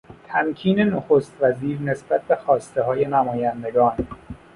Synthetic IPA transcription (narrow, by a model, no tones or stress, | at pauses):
t̪ʰæmcʰiːne̞noxost̪væziːɾne̞sbæt̪̚ʰbe̞xɒːst̪e̞ɦɒːje̞næmɒːjænd̪e̞ɡɒːn